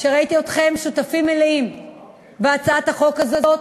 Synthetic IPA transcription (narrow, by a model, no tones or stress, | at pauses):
ʃeʁait̪io̞t̪χe̞mʃut̪afimːeleim | beat͡saat̪haχo̞kazeo